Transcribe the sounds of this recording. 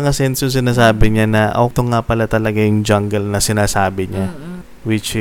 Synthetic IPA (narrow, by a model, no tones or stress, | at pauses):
ɐŋɐsɛnsjʊŋsɪnaːsaːbɪɲanɐʔɐ̰t̪oŋapɐlat̪ɐlɐɡajʊŋd͡ʒaŋɡɐlnɐsɪnaːsaːbɪɲa | wɪt͡ʃ